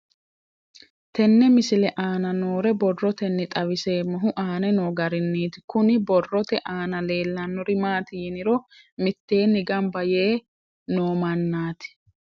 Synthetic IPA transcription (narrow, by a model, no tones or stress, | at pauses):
t̪ɛnːɛmɪsɪlɛʔaːnɐnoːɾɛbɔrːɔt̪ɛnːɪt̪ʼɐwɪse̞ːmɔɦʊʔaːnɛnoːɡɐɾɪnːiːt̪ɪkʊnɪbɔrːɔt̪ɛʔaːnɐle̞ːlːɐnːɔɾɪmaːt̪ɪjɪnɪɾɔ | mɪt̪ːe̞ːnːɪɡɐmbɐjeː | noːmɐnːaːt̪ɪ̥